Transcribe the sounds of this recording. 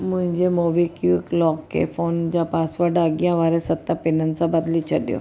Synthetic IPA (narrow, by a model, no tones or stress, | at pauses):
mʊ̃ɦɪ̃ɲd͡ʒemoːʋikijuɪklɔːkːḛfʰoːnd͡ʒapaːsʋaɖaɡijãʋaːɾesɐt̪ːapɪnənsãbɐd̪lit͡ʃʰɐɗjo̰ː